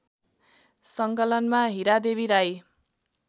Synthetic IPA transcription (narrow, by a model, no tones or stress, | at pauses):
sʌŋkʌlʌnmaɦiɾad̪eβiɾaj